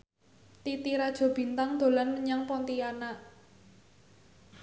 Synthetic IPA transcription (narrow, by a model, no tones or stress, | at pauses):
t̪it̪iɾad̥ʒ̥ɔ̤b̥i̤nt̪aŋd̪̥o̤lanməɲaŋpɔnt̪iana